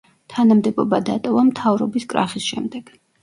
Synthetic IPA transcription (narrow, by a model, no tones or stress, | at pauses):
t̪ʰanamd̪ɛbɔbad̪at̪ʼɔvamt̪ʰavɾɔbiskʼɾa̰χisʃɛmd̪ɛɡ̥